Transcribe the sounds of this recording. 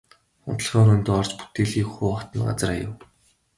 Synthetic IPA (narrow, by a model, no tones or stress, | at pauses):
χʊ̰nt̪̆ɮχɔːɾɵnt̪ːɔrt͡ɕpu̥t̪eːɮiːkxuːχɔt̪ə̆nɢa̰t͡sə̆rajʊ̰̆w